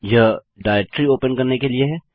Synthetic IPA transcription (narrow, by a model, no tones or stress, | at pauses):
jɐ | ɖaːɪek̚ʈɾioːpənkɐɾnekelieɦɛː